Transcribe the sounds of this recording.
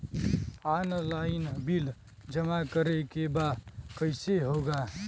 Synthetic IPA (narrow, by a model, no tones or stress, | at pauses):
aːnlaːɪnbil | d͡ʒəmakəɾekebaːkəɪseɦoːɡaː